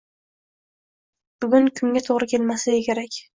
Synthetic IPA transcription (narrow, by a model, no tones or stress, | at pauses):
b̥ʊɡʲʊnkʰʊŋɡʲat̪ʰoʁɾɪkʲʰelmasaekʲʰe̞ɾakʲ